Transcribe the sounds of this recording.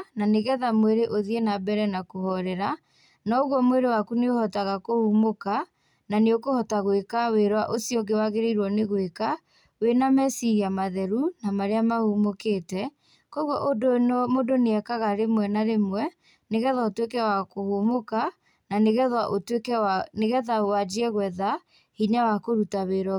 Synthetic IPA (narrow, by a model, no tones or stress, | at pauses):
naneɣɛðamweɾeʔoðienabɛɾɛnakohɔɾɛɾa | nɔoɣwɔmweɾewakuneohɔtaɣakohumoka | naneokohɔtaɣwekaweɾwaʔosiɔɡewaɣeɾeiɾwɔneɣweka | wenamɛsiɾiamaðɛɾunamaɾeamahumokeːtɛ | kɔɣwɔʔodonmodoneɛkaɣaɾemwɛnaɾemwɛ | neɣɛðwaotwekɛwakohumoka | naneɣɛðwaʔotkɛaneɣɛðaowad͡ʒiɛɣwɛða | hiɲawakoɾutaweɾwa